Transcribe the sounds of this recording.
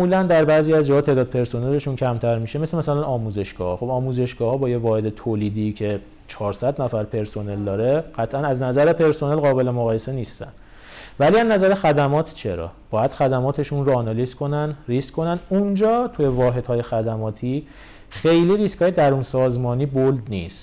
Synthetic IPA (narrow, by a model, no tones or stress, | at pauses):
muːlænd̪æɾbæːziːæzd͡ʒɒːhɒːt̪ʰeːd̪ɒːd̪̚pʰe̞ɾso̞neleʃuncʰæmt̪ʰæɾmiʃe̞meslemæsælænɒːmuːze̞ʃɡ̥ɒ̰ːhɒxo̞bɒːmuːze̞ʃɡɒːhɒːbɒːjevɒːhe̞d̪e̞t̪ʰoːliːd̪iːcʰe̞ | t͡ʃʰɒːɾsæd̪næfæɾpʰe̞ɾso̞ne̞ld̪ɒːɾe̞ɢ̥æt̪ʰʔænæznæzæɾepʰe̞ɾso̞nelɣɒːbe̞le̞moɣɒːje̞se̞niːst̪æ̰n | væliæznæzæɾexæd̪æmɒːt̪ʰt͡ʃʰe̞ɾɒ̰ːb̥ɒːjæd̪̥xæd̪æmɒːt̪ʰe̞ʃunɾoɒːnɒliskʰo̞nænriskkʰːo̞nænund͡ʒɒːt̪ʰujevɒːɦe̞d̪hɒːje̞xæd̪æmɒːt̪ʰi | xe̞jliːɾiskʰhɒːjed̪æɾunsɒːzmɒːniːbold̪nist̪